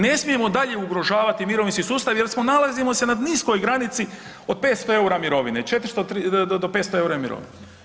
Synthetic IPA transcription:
ne̞smije̞mo̞d̪aʎe̞uɡɾo̞ʒaːʋat̪imiɾoʋinskisuːst̪aʋje̞ɾsmonalazimo̞se̞nad̪nisko̞jɡɾanit̪si | od̪̚pe̞ːt̪st̪oe̞uɾamiɾo̞ʋinet͡ʃe̞t̪ɾi̥st̪oɾidd̪opet̪st̪oe̞uɾamiɾo̰ʋḭne

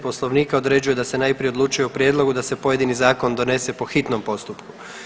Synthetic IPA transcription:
po̞slˠo̞ʋniːkao̞d̪ɾe̞d͡ʑuje̞d̪asenaːjpɾije̞odluːt͡ʃujeupɾjed̪lˠo̞ɡud̪ase̞po̞je̞d̪inizaːko̞nd̪o̞ne̞se̞po̞xit̪no̞mpo̞st̪upku̥

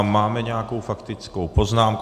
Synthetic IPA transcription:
mːaːmɛɲɛakowfakt̪ɪt͡skowpoznaːmku

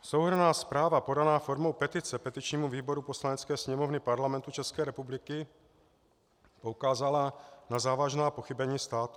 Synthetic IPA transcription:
sowɦr̩naːspɾaːvapo̞danaːfoɾmowpɛt̪ɪt͡sɛpɛt̪ɪt͡ʃɲiːmuviːboɾuposlaɲɛt͡skɛːsɲɛmovnɪpaɾlamɛnt̪ut͡ʃɛskɛːɾɛpublɪkɪ | poukaːzalanazaːvaʒnaːpoxibɛɲiːst̪aːt̪u̥

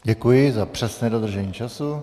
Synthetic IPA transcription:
ɟɛkujɪzapr̝̥ɛsnɛːdod̪r̩ʒɛɲiːt͡ʃasu

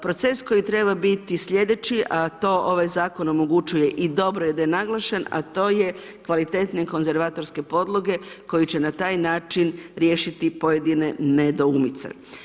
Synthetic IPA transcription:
pɾo̞t̪se̞sko̞jit̪ɾe̞babit̪isʎʲe̞d̪e̞t͡ʃiʔat̪o̞ːʔo̞ʋajzaːko̞no̞mo̞ɡut͡ʃuje̞ʔid̪o̞bɾojed̪ajenaɡlˠaʃena̰t̪o̞ːje̞ | kʋalit̪e̞ːt̪neko̞nze̞ɾʋaːt̪o̞ɾske̞po̞d̪lˠo̞ɡe̞ko̞jit͡ɕenat̪aːjnaːt͡ʃinɾje̞ːʃit̪ipo̞je̞d̪ine̞ned̪oumit̪sḛ

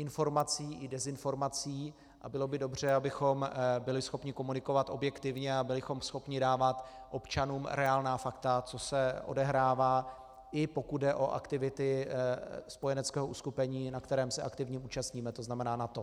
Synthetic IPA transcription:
ʔɪnfo̞ɾmat͡siːʔɪdɛzɪnfo̞ɾmat͡siː | ʔa̰bɪlo̞bɪdo̞br̝ɛabɪxo̞mbɪlɪsxo̞pɲɪko̞munɪko̞vat̪ʔo̞bjɛkt̪ɪvɲɛabɪlɪxo̞msxo̞pɲɪdaːvat̪ʔo̞pt͡ʃanuːmɾʔɛaːlnaːfakt̪at͡so̞sɛʔo̞̰dɛɦɾaːvaː | ɪpo̞kud̪dɛʔo̞ʔa̰kt̪ɪvɪt̪ɪ | spo̞jɛnɛt͡skɛːɦo̞ʔuskupɛɲiːnakt̪ɛɾɛːmsɛʔa̰kt̪ɪvɲɛuːt͡ʃast̪ɲiːmɛt̪o̞znamɛnaːnat̪o̞

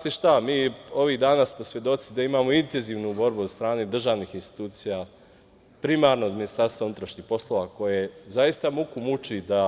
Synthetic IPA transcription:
at̪iʃt̪amiːo̞ʋiːɣd̪aːnaːsmo̞sʋje̞d̪o̞t̪sid̪aimaːmo̞int̪e̞nziːʋnubo̞ɾbuod̪st̪ɾaːned̪r̩ʒaːʋnixinst̪i̥t̪uːt̪sija | pɾimaːɾnoːd̪minist̪aɾst̪vaunut̪ɾaʃɲixpo̞slˠo̞ʋako̞jezaist̪amukumut͡ʃid̪a

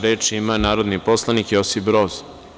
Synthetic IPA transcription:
ɾeːt͡ʂiimanaːɾod̪nipo̞slˠanikjosifɾoz

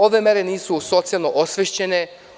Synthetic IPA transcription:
oʋe̞me̞ɾeniːsuso̞t̪sijalˠnoʔosʋeʃt͡ɕe̞ne̞

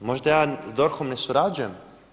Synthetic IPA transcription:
mɔʒd̪ajazd̪ɔɾxɔmnɛsuɾad͡ʑuɛm

